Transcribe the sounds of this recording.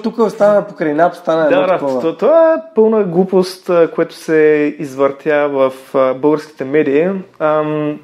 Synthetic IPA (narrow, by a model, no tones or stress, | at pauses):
t̪ukəst̪anəpokɾɐjnapst̪anəɛd̪aad̪aɔt̪t̪ovaɛpɤlˠnəɡlˠupost̪əkoɛt̪ʊ̥sɛizvəɾt̪ʰjavɐfbɤlˠɡəɾsk̟i̥t̪ɛmɛd̪ii